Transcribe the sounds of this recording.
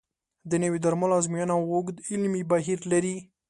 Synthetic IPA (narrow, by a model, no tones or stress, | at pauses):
d̪ənawid̪aɾmalazmijɑnawʊɡd̪ɪlmibaɦiɾlaɾi